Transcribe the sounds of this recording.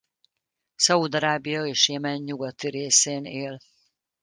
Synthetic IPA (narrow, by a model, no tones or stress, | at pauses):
sɒud̪ɒɾaːbijɒeːʃjeːmɛɲːuɡɒt̪iɾeːseːneːl